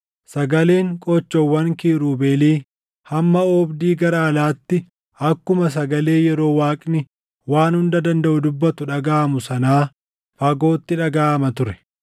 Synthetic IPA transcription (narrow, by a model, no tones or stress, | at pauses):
sɐɡɐle̞ːŋkʼɔːt͡ʃːɔwːɐŋkiːɾuːbeːliː | hɐmːɐoːbd̪iːɡɐɾɐːlaːt̪ːɪ | ɐkːʊmɐs̬ɐɡɐle̞ːjɛɾo̞ːwaːkʼnɪ | waːnhʊnd̪ɐd̪ɐnd̪ɐʔʊd̪ʊbːɐt̪ʊᶑɐɡaːmʊsɐnaː | fɐɡo̞ːt̪ːɪᶑɐɡaːʔɐmɐt̪ʊɾɛ̥